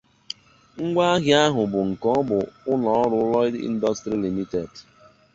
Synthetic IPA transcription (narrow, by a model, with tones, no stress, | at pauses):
ŋ̩˦ɡʷa˦ɣja˦ɦʊ˨bʊ˨ŋ̩˨kɔ˦bʊ˨ʊ˦nɔ˨˦ɔ˦ɾʊ˦lɔ˦ɪ˦dḭ˦n̩˦dɔ˦stɾi˦li˨mi˦te˨d